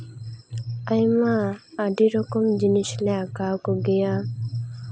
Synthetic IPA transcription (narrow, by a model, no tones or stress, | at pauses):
ajmaːɖiɾɔkɔmd͡ʒiniʃleakawkoɡija